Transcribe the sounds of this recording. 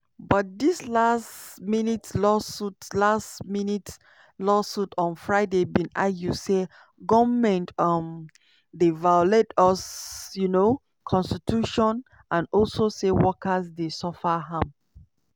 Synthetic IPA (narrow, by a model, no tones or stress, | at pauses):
bɔt̚dislasminitlɔsutlastminit | lɔsutɔ̃nfɹaɪdebĩnaɡjuse | ɡɔvmɛ̃ntɔm | devalɛdɔsjuno | kʰɔ̃nstitʰuʃɔ̃n | ãnɔlsosewɔkəzdesɔfaɦãm